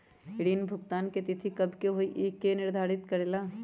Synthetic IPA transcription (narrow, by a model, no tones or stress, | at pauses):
ɪɽiːnbʱʊɡt̪aːnket̪ɪt̪ʰikɐbʱkeɦoiʔiːkːenɪɾd̪ʱaːɾɪt̪kɐɾelaː